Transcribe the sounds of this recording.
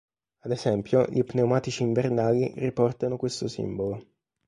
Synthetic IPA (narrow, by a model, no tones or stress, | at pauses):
ad̪esɛmpjoʎʔipneomaːt̪it͡ʃiːɱvernaːliripɔrt̪anokwest̪osḭmbolo